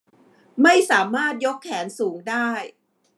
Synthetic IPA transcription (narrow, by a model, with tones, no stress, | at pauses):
ma˥˩jsaː˩˦maː˥˩t̪̚jo˦˥kʰːɛː˩˦nsuː˩˦ŋdaː˥˩j